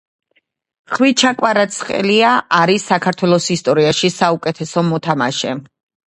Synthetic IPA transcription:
χwit͡ʃʰakʼwaɾat̪sʰχʼɛ̰liaʔaɾisakʰaɾt̪ʰwɛlˠɔsist̪ʼɔɾiaʃisaukʼɛt̪ʰɛsɔmɔt̪ʰama̰ʃɛ

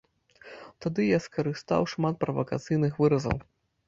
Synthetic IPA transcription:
t̪ad̪ɨjaskɐɾɨst̪a̰wʂmat̪̚pɾɐvɐka̰t̪sɨjnɨxvɨɾɐzɐ̰w

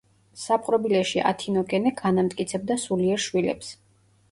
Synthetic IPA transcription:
sapʼqʼɾɔbilɛʃiʔa̰t̪ʰinɔkʼɛnɛɡanamt̪ʼkʼit̪sʰɛb̚d̪asuliɛɾʃwilɛ̰ps

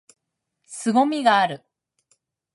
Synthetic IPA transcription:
sɨɡo̞mʲiɡaːɾɯ̟

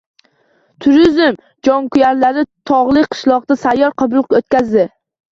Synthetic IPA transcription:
t̪ʰʊɾɪzɪm | d͡ʒɒŋkʰʊjaɾlaɾɪt̪ʰɒʁlˠɪqʰɨ̥ʃlˠɒqd̪asajːɒɾqʰɨbʊlˠqot̪̚kʲazd̪ɪ

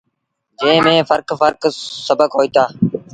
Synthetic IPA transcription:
d͡ʒẽːmẽːfəɾkfəɾksəbəkɦoːiːt̪aː

